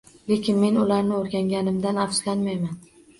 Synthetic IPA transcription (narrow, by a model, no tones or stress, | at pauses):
le̞kʲɪnme̞nʊlaɾnɪoɾɡʲaŋɡʲanɪmd̪anafslanmajman